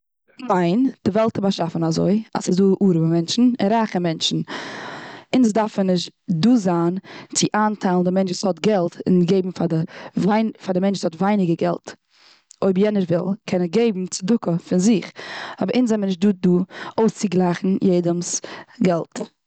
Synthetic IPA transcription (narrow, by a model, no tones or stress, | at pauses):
maɪnd̥ɪvɛlˠtʰəbaʃafn̩azo̰ɪa̰sɪzduːʔuːɾəbəmɛnt͡ʃn̩ɪ̰nɾaχəmɛnt͡ʃn̩ | ɪnsdaɾfənɪʃtduːzaːnt͡sɪʔaːntʰaɪlˠn̩dɪmɛnt͡ʃɪshɔtɡɛlˠtɪ̰nɡeɪbm̩fadɪvaɪnfadɪmɛnt͡ʃshɔtvaɪnɪɡəɡɛ̰lˠt | oɪbjɛnəɾvɪ̰lˠkʰɛnəɡeɪbm̩t͡sɪdʊkəfɪnzɪχɔbəɾʔɪnszɛmənɪʃt̚duːduːoʊst͡sɪɡlˠaɪχn̩jeɪdəmsɡɛlˠt